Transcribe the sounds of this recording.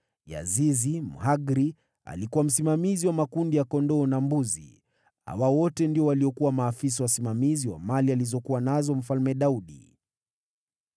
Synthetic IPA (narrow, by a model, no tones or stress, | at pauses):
ja̰zizimṵɦaɡɾi | a̰likuwam̩simamiziwamakundijakɔndɔːnambuzḭ | ha̰wawɔtɛndiɔwaliɔkuwamaːfis̬awasimamiziwa̰malializɔkuwanazɔm̩falmɛɗauɗḭ